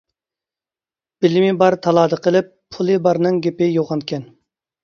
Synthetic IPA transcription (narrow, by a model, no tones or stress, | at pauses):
b̥ɪlɪmɪbɑɾt̪ʰɑlˠɑːd̪əqʰəlˠɪpʰːulˠɨbɑɾnɨŋɡʲepɪjoʁɑnkʲʰɛn